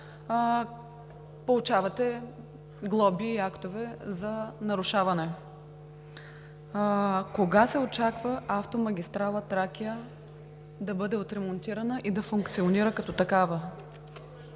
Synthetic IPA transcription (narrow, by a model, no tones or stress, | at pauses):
polˠut͡ʃavɐt̪ɛ | ɡlˠɔbiːakt̪ovɛzɐnɐɾʊʃavɐnɛ | koɡasɛot͡ʃakvəaft̪omɐɡʲist̪ɾalˠət̪ɾakʲijə | d̪ɐbɤd̪ɛot̪ɾɛmont̪iɾɐnəʔid̪ɐfʊŋkt̪sioniɾəkɐt̪ɔt̪ɐkavə